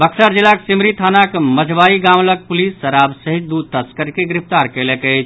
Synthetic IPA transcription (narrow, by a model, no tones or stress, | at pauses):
bəkʰsəɾd͡ʒilːaksimɾit̪ʰanakməd͡ʒʱbaiɡamləɡ̚pulisːəɾabsəɦit͡ʃd̪ud̪̚t̪əskəɾkeɡɾipt̪aɾkelekəɪt͡ʃʰ